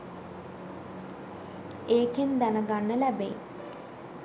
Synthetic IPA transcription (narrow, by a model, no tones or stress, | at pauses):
eːkend̪ænəɡanːəlæbḛ